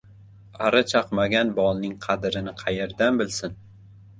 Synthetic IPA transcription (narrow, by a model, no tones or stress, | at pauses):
aɾat͡ʃʰɑqmaɡʲanbɒlˠnɪŋqʰɑd̪ɾɪnɪqʰɑjeɾd̪anbɪlsɪn